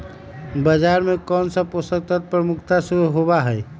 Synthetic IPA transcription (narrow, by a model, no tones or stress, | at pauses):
bəd͡ʒaɾmekɔːnsə̃posək̚t̪ət̪̚pɾəmukʰt̪asuɾuɦobaɦəj